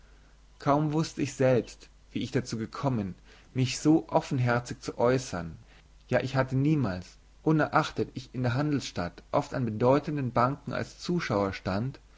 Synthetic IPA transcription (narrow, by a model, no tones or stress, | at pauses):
kʰaʊmvʊstəɪçz̥ɛlpst | v̥iːɪçd̥at͡suːɡəkʰɔmən | mɪçz̥oːʔɔfn̩ɦɛɐt͡sɪçt͡suʔɔʏsɐn | jaːʔɪçhatəniːmaːls | ʔʊnɛɐʔaχtətɪçɪndeːɐɦandl̩sʃtatʔɔftanbədɔʏtəndənbaŋkŋ̩a̰lst͡suːʃaʊɐʃtant